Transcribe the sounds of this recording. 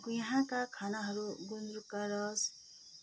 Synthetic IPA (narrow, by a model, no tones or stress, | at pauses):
ɡujɦãkakʰanaɦʌɾuɡunɾukaɾʌs